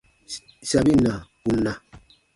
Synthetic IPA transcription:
sa˨bi˦na˨ku˦nːa˨

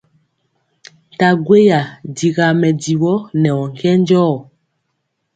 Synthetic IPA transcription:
n˨ta˨ɡwe˦ja˨di˨ɣa˨mɛ˨di˨wɔ˦nɛ˨wɔ˨ŋ˨kɛ˦n˦d͡ʒɔː˦˨

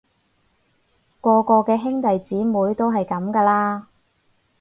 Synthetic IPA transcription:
kɔː˧kɔː˧kɛː˧ɦɪ˥ŋt̪ɐ˨jt͡siː˨˥muː˨˥jt̪o˥wɦɐ˨jkɐ˨˥mkaː˧laː˥

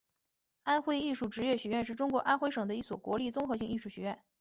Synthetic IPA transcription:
a˥nxwe˥˧ɪi˥˧ʂu˥˩ʈ͡ʂɻ̩˧˥ɥɛ˥˩ɕɥɛ˧˥ɥɛ˥˧nʂ̬ɻ̩˥˩ʈ͡ʂʊ˥ŋkwɔ˧˥ʔa˥nxwe˥ɪʂɤ˨˩ŋd̪ə˦i˥˩swɔ˨˩kwɔ˧˥li˥˩t͡sʊ˥ŋxɤ˧˥ɕi˥˧ŋi˥˧ʂu˥˩ɕɥɛ˧˥ɥɛ˥˩n

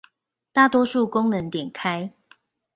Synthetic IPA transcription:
t̪a˥˨t̪wɔ˦ʂu˥˨kʊ˦ŋnə˨˦ŋt̪jɛ˨˩nkʰa˦˥ɪ

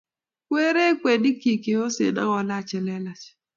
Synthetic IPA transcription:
kwe˦ɾe˦kwe˨di˦ki˨ke˨o˦sḛ˨na̰˦ŋɔ˨la˦t͡ʃɛ˨lɛ˦la˨t͡ʃ

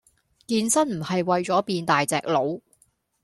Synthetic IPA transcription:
kiː˧nsɐ˥nm̩˨˩hɐ˨jwɐ˨jt͡ʃɔː˨˥piː˧nt̪aː˨jt͡sɛ̰ː˨k̚lo˨˧w

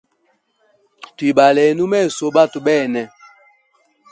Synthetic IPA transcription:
twi˨ɓa˨lɛ˨˦nu˦mɛ˦˨so˨˦ɓa˦tu˨ɓɛː˦˨nɛ˨

